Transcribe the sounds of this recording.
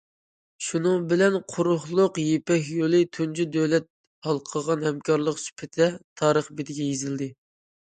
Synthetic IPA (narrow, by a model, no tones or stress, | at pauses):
ʃunɨŋbɪlɛnqʰʊɾʊhlˠʊqjepɛkʲjolˠɪt̪ʰund͡ʒyd̪øwlɛt̪̚ | hɑlˠqʰəʁɑnhɛmkʰɑɾlˠəqsy̥pʰɪt̪ʰɛt̪ʰɑːɾəχbɪd̪ɪɡʲɛjezɪld̪ɪ